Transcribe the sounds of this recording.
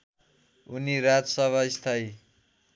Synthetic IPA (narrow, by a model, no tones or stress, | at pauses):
uniɾad͡zʌsʌβaist̪ʰaj